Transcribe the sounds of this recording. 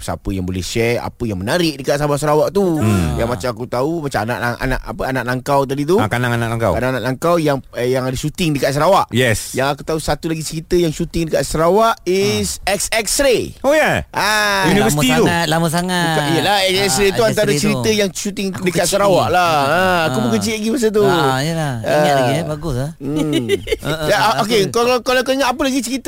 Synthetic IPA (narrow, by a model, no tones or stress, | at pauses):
pəsa̰pəjaŋbolɛ̰hʃɛa̰pəjaŋmənaɾɪʔdəkat̪ʔsamasəɾawaʔt̪ujaŋmat͡ʃamakut̪aumat͡ʃamana̰ʔlaŋa̰na̰ʔa̰pəanaʔlaŋkawt̪̬adit̪̬uakanaŋanaʔlaŋka̰wkanaŋanãʔlaŋkawjaŋjaŋadəʃut̪ɪŋdəkaʔs̬əɾawaʔjɛsjaŋakut̪ausat̪ulaɡit͡ʃəɾit̪əjaŋʃut̪ɪŋdəkaʔsəɾawaʔisɛksɛk̚sɾeojaʔajunivəsit̪it̪uat̪laməsaŋakaʔijəlaɛksɛsɾet̪uant̪̬aɾat͡ʃəɾit̪əjaŋʃut̪ɪŋdəkat̪səɾawaʔlaəakubukant͡ʃilaɡimas̬ət̪̬uəlaəabaɡʊsam | aok̬ekakalakaiŋat̪apəlaɡit͡ʃəɾit̪